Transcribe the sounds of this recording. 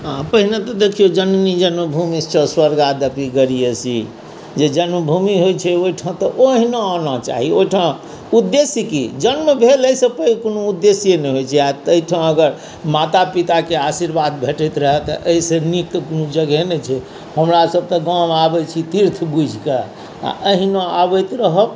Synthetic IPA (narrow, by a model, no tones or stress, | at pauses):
ãpəɦinet̪ɔd̪ekʰijod͡ʒənnid͡ʒənməbʱumist͡ʃəswəɾɡad̪əpiɡəɾijesḭ | d͡ʒed͡ʒənməbʱumiɦojt͡ʃʰɛoiʈʰãt̪ɔʔoɦineanat͡ʃa̰ɦioʈʰã | ud̪ːesikḭd͡ʒənmebʱeləjsepəkonoud̪ːesijenɛjɦojt͡ʃʰɛat̪əiʈʰãəɡəɾ | mat̪apit̪akeasiɾbad̪̚bʱeʈəjt̪ɾəɦɛt̪ɔ̰ʔəisenik̚t̪ɔkonud͡ʒəɡɛnet͡ʃʰɛ | həmɾasəb̚t̪ɔɡãmabɛt͡ʃʰit̪iɾt̪ʰbud͡ʒʱka | a̰ʔəɦinoabəjt̪ɾəɦəb